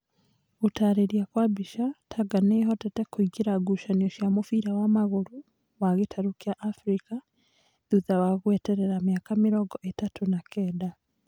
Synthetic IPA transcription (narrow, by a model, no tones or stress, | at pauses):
utaɾeɾjakwabiʃatʰaɡaneɦɔtatekuiɡeɾaɡuʃaniɔʃjamofiɾawamaɣoɾu | waɣetʰaɾukjaʔːfɾika | ðuðawaɣwɛtɛɾeɾamjakamiɾɔɡɔʔetatunakʰɛːda